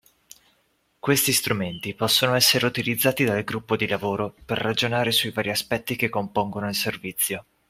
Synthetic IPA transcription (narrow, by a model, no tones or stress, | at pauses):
kwest̪ist̪ɾument̪ipɔsːonoɛsːeɾeut̪ilid̪zːaːt̪id̪alɡɾupːod̪ilavoːɾoperːad͡ʒonaːɾesuivaːɾiaspɛt̪ːikekːompoŋɡonoilservit̪sːjo